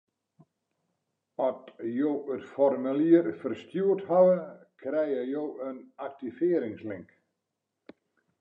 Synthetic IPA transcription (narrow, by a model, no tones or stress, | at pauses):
ɔtjowətfɔrmyliərfərstjuəthawəkʰrɛjəjowənak̚tifɪːɾɪŋslɪŋk